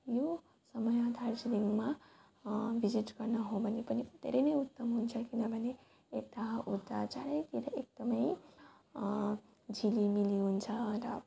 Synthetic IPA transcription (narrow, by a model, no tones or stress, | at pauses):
jo | sʌmʌjad̪ʱaɾd͡ʒiliŋma | bʱid͡ʒiʈɡ̥ʌɾnaɦobʱʌnepʌnit̪ːḛɾejnʌjut̪ːʌmɦunt͡sʰʌkinʌbʱʌne | et̪aɦʔud̪at͡saɾəjt̪iɾʌek̚d̪̥ʌməj | d͡zʱilimiliɦunt͡sʰʌɾʌ̰